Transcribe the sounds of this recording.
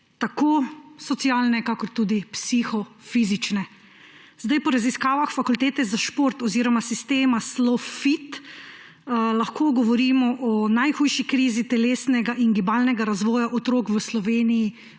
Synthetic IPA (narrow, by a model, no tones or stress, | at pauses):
t̪akoːsɔt̪siaːlnɛkakɔɾt̪uːd̪ipsixɔ | fiːzit͡ʃnɛ | zd̪ajpɔɾaziskaːʋaxfakult̪eːt̪ɛzaʃpoɾt̪ɔziːɾɔmasist̪eːmaslɔfit̪ | laxkʰoːɡɔʋɔɾiːmɔʔɔnajxuːjʃikɾiːzit̪ɛleːsnɛɡaʔinɡibaːlnɛɡaɾazʋɔːjaʔɔt̪ɾoːkʋəslɔʋeːniji